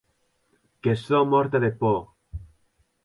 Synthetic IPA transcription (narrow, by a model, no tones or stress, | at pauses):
kesomɔɾt̪aðepɔ